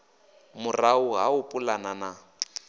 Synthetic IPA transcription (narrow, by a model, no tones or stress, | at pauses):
mʊraʊɦa̰ʊpʼulanana